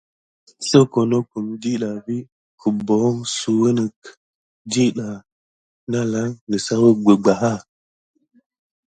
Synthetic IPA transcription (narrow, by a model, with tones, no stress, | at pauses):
sə˦ko˨no˦ku˨mdi˦ɗa˨vi˦ | kə˨bo˨˦ŋsu˨wə˦nə˨k | di˦ɗa˨ | na˦la˦ŋnə˨sa˦wə˦ɡ͡bə˨ɡ͡ba˨ɦa˦˨